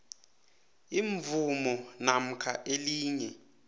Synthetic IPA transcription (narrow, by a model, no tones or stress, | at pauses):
iɱvumɔnam̩kʰaʔeliːɲɛ